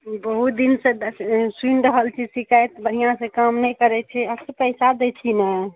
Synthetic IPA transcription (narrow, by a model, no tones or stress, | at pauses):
bəɦut̪̚d̪insẽd̪sinɖəɦəlt͡ʃʰisikajt̪bəɽijãsẽkamnɛjkəɾɛt͡ʃʰɛəsepəɪsad̪ɛt͡ʃʰina